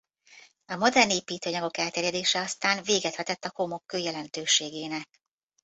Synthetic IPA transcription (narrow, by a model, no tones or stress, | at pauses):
ɒmo̞d̪ɛrneːpiːt̪øːɲɒɡo̞kɛlt̪eːɾjɛd̪eːʃɛɒst̪aːnveːɡɛt̪hɛt̪ɛt̪ːɒkomo̞kːøːjɛlɛnt̪øːʃeːɡeːnɛk̚